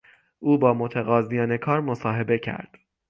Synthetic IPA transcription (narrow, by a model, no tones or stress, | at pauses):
ʔuːbɒːmot̪ʰæɣɒːzijɒːne̞kʰɒːɾmo̞sɒːɦe̞be̞cʰæ̰ɾd̪̥